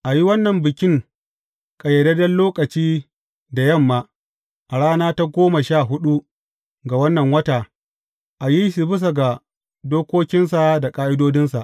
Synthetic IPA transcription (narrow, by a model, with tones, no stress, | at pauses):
ʔa˨ji˦wɐ˦nːɐ˨mbɪ˨kʲɪ˦ŋ | kʼɐ˨jɐ˨dɐ˦dɐ˦nloː˦kʼɐ˨t͡ʃiː˦ | da˨jɐ˦˨mːaː˦ | ʔa˨ɽaː˦naː˦ta˦ɡʷoː˦ma˨ʃaː˦˨ɦʊ˦ɗu˦ | ɡa˨wɐ˦nːɐ˨ŋwɐ˦taː˨ | ʔa˨ji˦ʃi˨bɪ˦s̬a˨ɡa˨ | doː˦kʷoː˦kʲɪ˦nsa˨da˨kʼaː˦ʔɪ˦doː˦dɪ˦nsa˨ʔ